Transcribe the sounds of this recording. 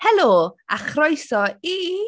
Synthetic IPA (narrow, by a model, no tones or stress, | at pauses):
hɛlˠoːa̰χrɔjsɔi